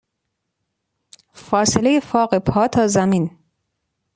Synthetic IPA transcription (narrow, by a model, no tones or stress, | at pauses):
fɒːselejefɒːɢepʰɒːt̪ʰɒːzæmiːn